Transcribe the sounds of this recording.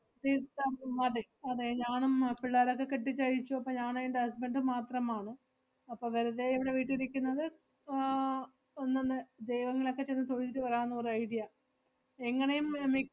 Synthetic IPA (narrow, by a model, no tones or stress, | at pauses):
t̪iːt̪ːɐmɐðe | ɐðeɲaːɳumpiɭːaːɾo̞kːe̞keʈːit͡ɕːɐjit͡ɕːuɐpːoːɲaːnjɳɖeɐs̬beɳɖɨmaːt̪rɐmaːɳɨ | ɐpːoːʋɐɾuðeiʋiɽe̞ʋiːʈːɨiɾikʲːunːɐðɨ | onːenːɨd̪ejʋɐŋːɐlo̞kːe̞t͡ɕenːɨt̪oɻit͡ɕːiʈːɨʋɐraːnːorɐjɽijɐ | eŋːɐne̞jummi